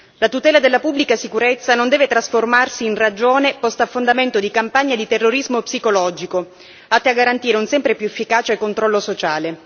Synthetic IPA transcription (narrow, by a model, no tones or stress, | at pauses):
lat̪ut̪ɛːlad̪elːapubːlikasikuɾet̪sːanond̪ɛːvet̪ɾasformarsiːnrad͡ʒoːnepɔst̪afːond̪ament̪od̪ikampaɲːad̪it̪erːoɾizmopsikolɔːd͡ʒiko | at̪ːeaɡːaɾant̪iːɾeunsɛmpɾepjuefːikaːt͡ʃekːont̪ɾɔlːosot͡ʃaːle